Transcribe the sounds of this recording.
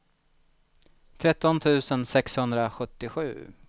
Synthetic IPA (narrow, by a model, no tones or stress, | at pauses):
t̪ʰɾɛt̪ːɔnt̪ʰʉ̟ːsənsɛkshɵnd̪ɾaɧɵt̪ːɪɧʉ̟ː